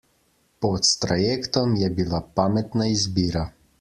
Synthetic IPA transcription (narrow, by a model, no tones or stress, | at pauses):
pɔt̪st̪ɾajekt̪ɔmjɛbilapaːmɛt̪naizbiːɾa